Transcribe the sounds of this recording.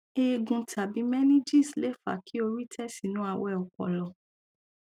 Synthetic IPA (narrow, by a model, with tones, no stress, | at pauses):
e˨ɡũ˨tʰa˨bĩ˨˦mɛ˦nĩ˦d͡ʒi˦˨sle˨˦fa̰˨kʰi˦o˧ɾi˦tʰɛ˦si˨nũ˨˦a˧wɛ˦˨ɔ˨kɔ̰˨lɔ˨